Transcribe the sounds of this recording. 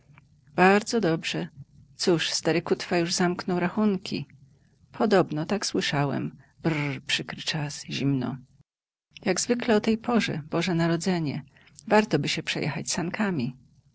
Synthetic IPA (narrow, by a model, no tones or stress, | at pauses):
b̥aɾd̪zɔd̪ɔbʐɛ | t̪suʂst̪aɾɘkut̪fajuʐzamknɔwɾaxuŋkʲʰḭ | pʰɔd̪ɔbnɔt̪akswɘʂawɛ̰m | brpʂɘkɾɘt͡ʂasʑimnɔ̰ | jaɡzvɘklɛɔt̪ɛjpʰɔʐɛ̰b̥ɔʐɛnaɾɔd̪zɛɲɛ | vaɾt̪ɔbɘɕɛpʂɛjʔɛ̰xat͡ɕsankʰamʲi